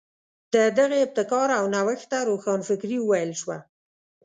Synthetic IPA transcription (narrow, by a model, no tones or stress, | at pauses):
d̪̥əd̪aɣeːb̚t̪ɪkɑɾawnawəxt̪aɾoxɑnfɪkɾiwəwajəlʃwa